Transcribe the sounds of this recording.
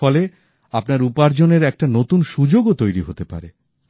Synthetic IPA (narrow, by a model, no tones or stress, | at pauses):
ɔle | apnaɾupaɾd͡ʑoneɾɛk̚ʈanot̪unʃud͡ʑoɡot̪ojɾiɦot̪epa̰ɾe